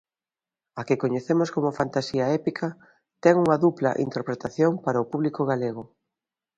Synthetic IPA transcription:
akɪkoɲeθemoskomʊfant̪asiɐɛpikʰɐ | t̪ɛŋuŋɐðuplɐ̰ʔḭnt̪eɾpɾet̪aθjoŋpaɾɐʊpuβlikoɣaleɣʊ

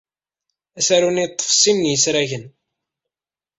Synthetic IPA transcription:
æsæɾunit̪ˤːə̥fsˤimnjəsɾæʝən

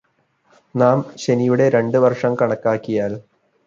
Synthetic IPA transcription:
naːmɕe̞nijuɽe̞ɾe̞ɳɖɨʋɐrʂɐmkɐɳɐkːaːkːijaːl

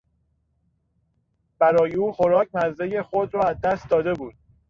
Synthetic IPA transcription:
b̥æɾɒːjeuːxoɾɒːc̚ʰnæzːejexod̪ɾɒːæzd̪æst̪d̪ɒːd̪e̞buːd̪̥̚

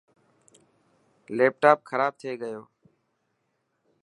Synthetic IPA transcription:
leːp̚ʈaːp̚kʰəɾaːb̚t̪ʰeːɡəjoː

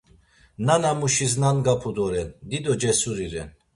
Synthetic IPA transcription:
nanamuʃiznanɡapʰud̪ɔɾɛnd̪id̪ɔd͡ʒɛsuɾiɾɛn

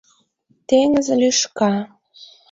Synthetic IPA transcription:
t̪eŋəzelyʃkɑ

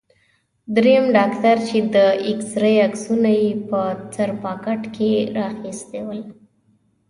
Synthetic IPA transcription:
d̪ɾejamɖɑkt̪aɾt͡ʃed̪əɪksɾəjaksunajepət͡saɾpɑkaʈkʰeɾɑxist̪ewəl

